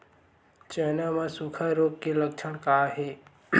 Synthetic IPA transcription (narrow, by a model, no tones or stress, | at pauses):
t͡ʃenamãsukʰəɾoɡ̚kelək̚t͡ʃʰəɽ̃kaɦe